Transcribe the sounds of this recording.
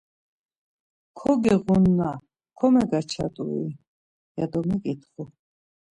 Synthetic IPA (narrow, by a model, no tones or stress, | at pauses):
kʰɔɡɛʁunːa | kʰɔmɛɡat͡ʃʰa̰t̪ʼui | jad̪ɔmɛkʼit̪ʰχu